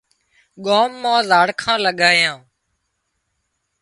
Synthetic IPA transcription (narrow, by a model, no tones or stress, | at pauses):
ɠoːmːãːzaːɽkʰãːləɠaːjãː